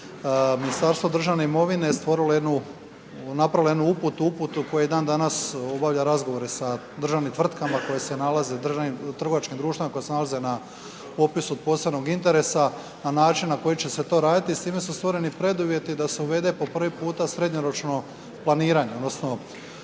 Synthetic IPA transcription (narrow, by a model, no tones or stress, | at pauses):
minist̪aɾst̪ʋo̞d̪r̩ʒaʋne̞imo̞ʋine̞st̪ʋo̞ɾilojed̪nu | napɾailoe̞d̪nuuput̪uuput̪uko̞jejed̪aːnd̪anaso̞baʋʎaɾazɡoʋo̞ɾe̞sa | d̪r̩ʒaʋnimt̪ʋr̩t̪kamako̞jese̞nalaze̞d̪r̩ʒaʋnimt̪r̩ɡo̞ʋat͡ʃkimd̪ɾuːʃt̪imako̞jesenalaze̞na | po̞pisuod̪̚po̞sebnoɡint̪e̞ɾe̞sa | nanaːt͡ʃinːako̞jit͡ɕe̞se̞t̪o̞ːɾaːd̪it̪ist̪iːme̞sust̪ʋo̞ɾe̞nipɾe̞d̪uʋje̞t̪id̪aseuʋe̞d̪e̞po̞pr̩ʋipuːt̪asɾe̞d̪ɲo̞ɾo̞t͡ʃno̞ | plˠaniːɾaɲeod̪nosno̞